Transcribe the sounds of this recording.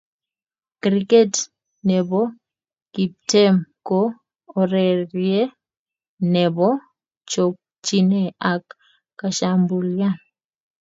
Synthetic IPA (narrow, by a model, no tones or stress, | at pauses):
kɾikɛt | nɛβɔ | kip̚tɛmkɔː | ɾɛɾjɛ | nɛβɔ | t͡ʃɔok̚ | t͡ʃinɛakː | aʃambulja